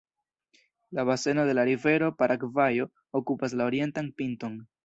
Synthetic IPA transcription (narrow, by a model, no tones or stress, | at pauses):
laβase̞no̞de̞laɾive̞ɾo̞paɾʔakvajo̞ | okupas̬lao̞ɾie̞ntanpinto̞n